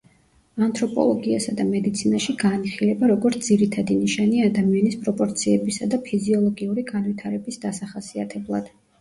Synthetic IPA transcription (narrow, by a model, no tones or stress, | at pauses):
ant̪ʰɾɔpʼɔ̰lˠɔɡiasad̪amɛd̪it̪sʰinaʃiɡaːniχilɛbaɾɔɡɔɾt̪ʰd̪ziɾit̪ʰad̪iniʃaniad̪amianispʼɾɔpʼɔɾt̪sʰiɛbisad̪apʰiziɔlˠɔɡiuɾiɡanvit̪ʰaɾɛbisd̪̥asaχasiat̪ʰɛblˠa̰d̪̥